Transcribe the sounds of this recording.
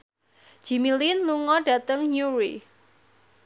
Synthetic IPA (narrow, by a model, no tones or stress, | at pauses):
d̥ʒ̥i̤milinluŋɔɖ̥ä̤t̪əŋɲuɹḭ